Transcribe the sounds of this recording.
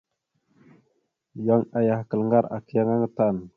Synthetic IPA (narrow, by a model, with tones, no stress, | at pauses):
ja˦ŋa˨ja˨hkə˨lə˨ŋɡa˦ɾa̰˨ki˦ja˦ŋa˦ŋə˦t̪a˨n